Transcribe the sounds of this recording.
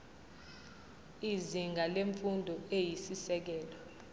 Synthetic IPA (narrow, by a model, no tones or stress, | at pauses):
iziŋɡʱaleɱfundʱɔejisisɛk̬ɛːlɔ